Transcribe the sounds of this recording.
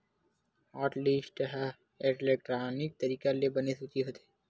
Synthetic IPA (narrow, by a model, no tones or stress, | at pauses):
ɔːʈliːsʈɦa | eʈleːkʈɾaːnɪk̚t̪əɾiːkalebənesut͡ʃiɦoːt̪e